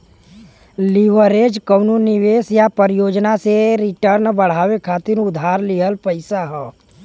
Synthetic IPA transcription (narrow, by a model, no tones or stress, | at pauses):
liʋəɾed͡ʒkəːnunɪʋeːsjapəɾjoːd͡ʒnaseɾɪʈəɾnbəɽ̤aːʋekʰaːt̪ɪɾʊd̪ʱaːɾliɦəlpəɪsaɦɛː